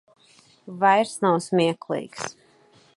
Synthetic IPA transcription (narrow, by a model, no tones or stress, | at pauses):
vajɾsnawsmʲiɛklˠḭːks